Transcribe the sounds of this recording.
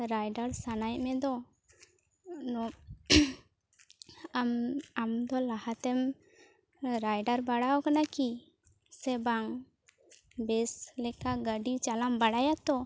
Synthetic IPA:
ɾajɖaɾsanajmɛd̪ɔ | nɔ | mamd̪ɔlahat̪ɛm | ɾajɖaɾbaɽawkanaki | sɛbaŋ | bɛslɛkaɡəɖit͡ʃalambaɽajat̪ɔ

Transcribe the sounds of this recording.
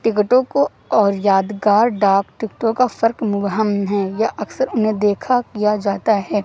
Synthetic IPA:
ʈɪk̬ʈõko | ɔːɾjaːd̪ɡaːɾɖaːkʈɪkʈõkafɐɾkmʊɡɦəmɦɛːjaʔɐksəɾʊnɦẽd̪eːkʰakijad͡ʒaːt̪aɦɛː

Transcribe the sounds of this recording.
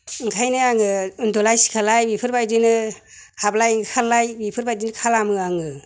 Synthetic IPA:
ɯŋkʰajnɯaŋɯɯndɔlajsi̥kʰalajbipʰɯɾbajdinɯ | hablajŋɯkʰalajbipʰɯɾbajdinɯkʰalamɯaŋɯ

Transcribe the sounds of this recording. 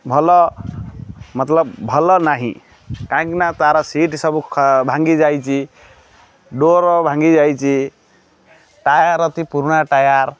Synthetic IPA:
bʱʌlɔ | mət̪ləbbʱɔlɔnaɦḭ̃ | kãknat̪aɾɔsiʈsʌbʰbʱãŋɡid͡ʒajt͡ʃʰi | ɖoɾɔbʱãŋɡid͡ʒajt͡ʃʰi | ʈajaɾʌt̪ipuɾunaʈajaɾ

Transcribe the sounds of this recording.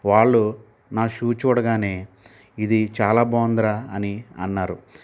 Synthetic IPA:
ʋaːɭːu | naːʃuːt͡ʃuːɽɐɡaːne̞ː | id̪it͡ʃaːlaːboːnd̪ɾaːniɐ̰nːaːɾu

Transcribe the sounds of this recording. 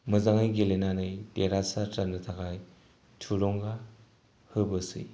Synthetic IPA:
mɯzaŋɯjɡelenanɯjdeɾasatɾanɯtʰakaj | tʰuɾɔŋɡa | hɯbɯsḭj

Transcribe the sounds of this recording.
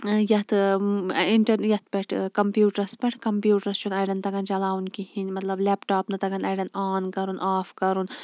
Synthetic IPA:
jɐt̪ʰ | iɳʈɐɾjɐt̪̚ʰpɛʈʰkɐmpjuːʈɐɾspɛʈʰkɐmpjuːʈɐɾst͡ʃʰunɐjɖɐnt̪ɐɡɐnt͡ʃɐlaːunkihinʲmɐt̪lɐblɛːpʈaːpnɨt̪ɐɡɐnɐjɖɐnaːnkɐɾunʔaːfkɐɾun

